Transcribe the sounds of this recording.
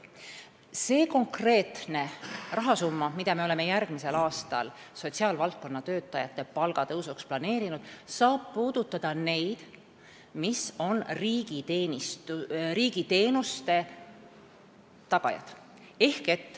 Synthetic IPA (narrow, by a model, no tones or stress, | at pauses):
se̞ːko̞ŋkre̞ːt̪ne̞rɑɦɑsumːɑmid̪̥ɑmeole̞me̞jærɡ̥mise̞lɑːst̪ɑ̰l | so̞t̪ʲsiɑːlvɑlt̪̚ko̞nːɑt̪øːt̪ˑːɑjɑt̪ːe̞pɑlɡ̥ɑt̪ɤwsuksplɑne̞ːɾinud̪̥sɑːb̥̚puːd̪̥ut̪ːɑd̪̥ɑne̞jd̪̥ | miso̞niːɡit̪eːnist̪uriːɡ̥it̪e̞ːnust̪e̞ | t̪ɑɡ̥ɑ̰jɑ̰d̪̥ | e̞hke̞t̪ː